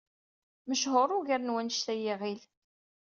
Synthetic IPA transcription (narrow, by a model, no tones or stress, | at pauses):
məʃɦʊɾˤʊʝæɾnwænʃt̪æjiʁil